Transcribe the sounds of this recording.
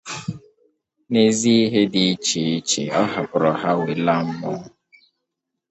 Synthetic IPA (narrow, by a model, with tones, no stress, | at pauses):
ne˦zi˦i˦ɦe˦di˨i˦t͡ʃe˨i˦t͡ʃḛ˨ɔ˦ɦa˨pʊ˨ɾɔ˨ɦa˦we˨la˦m̩˦mɔ˦